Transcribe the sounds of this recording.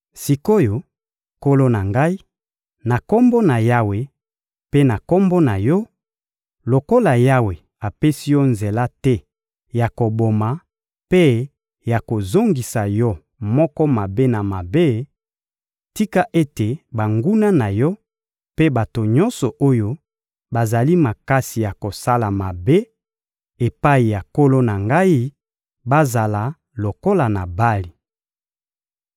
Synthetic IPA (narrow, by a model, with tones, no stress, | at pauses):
si˨ko˦jo˨ | ko˦lo˦na˨ŋɡa˦i˦ | na˨ko˦mbo˦na˨ja˦we˨ | pe˦na˨ko˦mbo˦na˨jɔ˦ | lo˨ko˦la˨ja˦we˨ | a˨pe˦si˦jɔ˦nze˨la˦tɛ˦ | ja˨ko˨bo˨ma˨ | pe˦ | ja˨ko˨zo˦ŋɡi˨sa˨jɔ˦ | mɔ˦kɔ˦ma˨be˦na˨ma˨be˦ | ti˦ka˦ʔe˦te˨ba˨ŋɡu˦na˦na˨jɔ˦ | pe˦ba˨to˨ɲɔ̃˦nsɔ˨ʔo˦jo˦ | ba˨za˨li˦ma˨ka˦si˨ja˨ko˨sa˦la˨ma˨be˦ | e˨pa˦i˨ja˨ko˦lo˦na˨ŋɡa˦i˦ | ba˦za˨la˨ | lo˨ko˦la˨na˨ba˦li˨